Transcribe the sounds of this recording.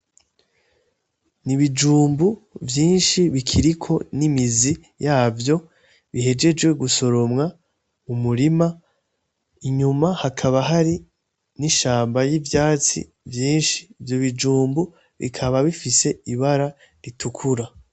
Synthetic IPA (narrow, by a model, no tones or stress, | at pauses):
niβid͡ʒuːmbuvjiːnʃiβikʰiɾikʰo̞nimizi | jaːvjo̞ | βihe̞d͡ʒe̞d͡ʒwe̞ɡuso̞ɾo̞mŋa | umuɾima | iɲumahakʰaβaɦaɾi | niʃaːmbajivjaːt͡sḭ | vjiːnʃi̥ːvjo̞βid͡ʒuːmbu | βḭkʰaβaβifise̞iβaɾa | ɾitukʰuɾa